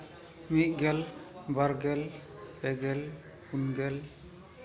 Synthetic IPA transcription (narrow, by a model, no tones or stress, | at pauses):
miʔ̪̚ɡɛlbaɾɡɛlɛɡɛl | unɡɛl